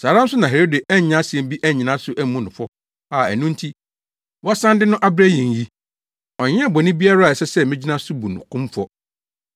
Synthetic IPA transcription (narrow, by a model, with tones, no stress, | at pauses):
saː˨ɾã˦m̩˦sʊ˦nã˨ɦe˨ɾo˦de˨ʔæ˦˨ɲ˨˦nã˦sɪ˨ɛ̃˨m˦bi˦ʔæ˦˨ɲĩ˨nã˦sʊ˦ʔæ˦mũ˦nʊ̃˨fɔ˦ | a˨æ̰˨nũ˦n̩˦tʰi˦ | wɔ˦sã˦ndɪ˦nʊ̃˦ʔa˦bɾæ˦jĩ˨n˨ji˦ | ɔ˨ɲ˦ɛ̃˦˨bɔ˨nɪ̃˦bi˦a˦ɾa˦˨ɛ˨sɛ˦sɛ˦mɪ̃˦d͡ʑi˦nã˦sʊ˦bu˨nʊ̰̃˨kʰʊ̃˦m˦fɔ˦